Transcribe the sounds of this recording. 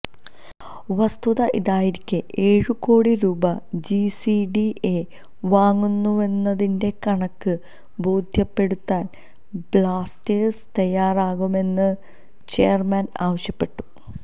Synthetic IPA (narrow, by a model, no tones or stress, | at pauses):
ʋɐst̪uðɐʔiðaːjiɾikʲːɨʔe̞ːɻɨko̞ːɽiɾuːbɐd͡ʑisiɖie | ʋaːŋːunːue̞nːɐðinde̞kɐɳɐkːɨ | bo̞ːd̪ʱjɐpːe̞ɽut̪ːaːn | blaːsteːst̪ɐjːaːraːɣume̞nːɨ | t͡ɕe̞ːɐrmɐna̰ːʋɐɕjɐpːe̞ʈːu̥